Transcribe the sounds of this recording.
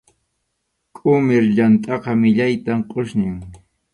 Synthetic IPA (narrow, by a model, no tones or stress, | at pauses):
kʼʊmɪɾʎant̪ʼɑqɑmɪʎajt̪amqʼoʃnɪŋ